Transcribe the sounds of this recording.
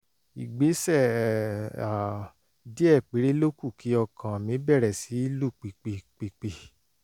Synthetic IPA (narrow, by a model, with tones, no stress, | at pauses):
i˨ɡ͡be˨˦sɛ˦˨ | a˨ | di˦ɛ˦˨k͡pe˨˦ɾe˦lo˦ku˦˨ki˨˦ɔ˧kʰã˨mĩ˨˦bɛ˦˨ɾɛ˨si˨˦i˦lu˦˨k͡pi˨k͡pe˨k͡pi˨k͡pe˨